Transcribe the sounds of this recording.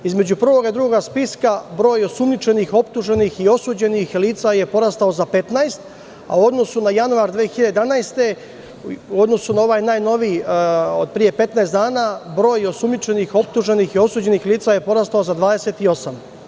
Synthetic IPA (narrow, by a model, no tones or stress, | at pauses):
izme̞d͡ʑupr̩ʋo̞ɡad̪ɾuɡoɡaspiskabɾo̞ːjosumnit͡ʃe̞nixo̞pt̪uʒenixio̞suːd͡ʑe̞nixliːt̪saje̞po̞ɾast̪ao̞zape̞t̪naest̪ | a̰uo̞d̪no̞sunajanuaɾd̪ʋeːexiʎad̪ed̪anajst̪e̞ | uo̞d̪no̞sunao̞ʋaːjnaːjno̞ʋiːod̪̚pɾije̞pe̞t̪naest̪d̪aːnabɾo̞ːjosumnit͡ʃe̞nixo̞p̚t̪uʒe̞nixio̞suːd͡ʑe̞nixliːt̪saje̞po̞ɾast̪aozad̪ʋaːd̪eset̪io̞sam